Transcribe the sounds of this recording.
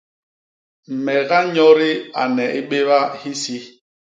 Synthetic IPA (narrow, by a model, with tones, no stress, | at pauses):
m̩˨mɛ˨ɣa˦ɲɔ˦ɾi˦a̰˨nɛ˨ʔi˦ɓe˦βa˦hi˦si˦